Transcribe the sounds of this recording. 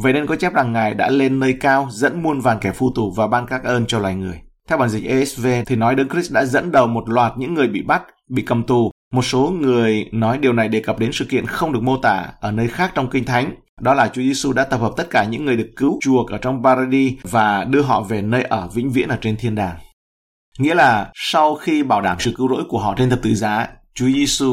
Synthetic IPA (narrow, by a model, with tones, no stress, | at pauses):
və̰˧˨jne˧nkɔ˨˦t͡ɕɛ˦˥p̚za˨˩ŋːaː˨˩jɗa̰ː˧˥le˧nːəː˧jkaː˧wzə̰˧˥nmu˧ənvaː˨˩nkɛ˧˩fu˧˩t̪u˨˩vaː˨˩ɓaː˧nkaː˦˥k̚ʔəː˧nt͡ɕɔ˧lwa̰ː˧˨jŋɨ˨˩əjt̪ʰɛ˧wɓaː˧˩nzi˨˩k̚ʔe˧ʔɛ˦˥sve˧t̪ʰi˨˩nɔ˨˦jɗə˨˦ŋkɾi˦˥ɗa̰ː˧˥zə̰˧˥nɗə˨˩wmo˨˩t̚lwaː˨˩t̚ɲɨ̰˧˥ŋːɨ˨˩əjɓḭ˧˨ɓa˦˥t̚ | ɓḭ˧˨kə˨˩mt̪u˨˩ | mo˨˩t̚so˨˦ŋɨ˨˩əjnɔ˨˦jɗi˨˩əwna˨˩jɗe˨˩kə˨˩p̚ɗe˨˦nsɨ̰˧˨kḭ˧˨ənxə˧wŋ͡mɗɨ˨˩ək̚mo˧t̪a̰ː˧˨ʔəː˧˩nəː˧jxaː˦˥k̚t͡ɕɔ˧wŋ͡mkï˧ŋ̟t̪ʰa˨˦jŋ̟ | ɗɔ˨˦laː˨˩t͡ɕu˨˦zi˧su˧ɗa̰ː˧˥t̪ə˨˩p̚həː˨˩p̚t̪ə˦˥t̚kaː˧˩ɲɨ̰˧˥ŋːɨ˨˩əjɗəkːɨ˨˦wt͡ɕu˨˩ək̚ʔəː˧˩t͡ɕɔ˧wŋ͡mpaː˧ɾa˧ɗi˧vaː˨˩ɗɨ˧əɦɔ̰˧˨ve˨˩nəː˧jʔəː˧˩vḭ˧˥ŋ̟vḭ˧˥ənʔəː˧˩t͡ɕe˧nt̪ʰi˧ənɗaː˨˩ŋ | ŋḭ˧˥əlaː˨˩sa˧wxi˧ɓaː˧˩wɗaː˧˩msɨ̰˧˨kɨ˨˦wzo̰˧˥jku˧˩əɦɔ̰˧˨t͡ɕe˧nt̪ə˨˩p̚t̪ɨ̰˧˨zaː˨˦t͡ɕu˨˦əzi˧su˧